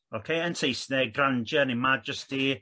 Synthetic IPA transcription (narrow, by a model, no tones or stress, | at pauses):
okʰejəntʰejsnɛɡrand͡ʒjanimad̚d͡ʒəst̚di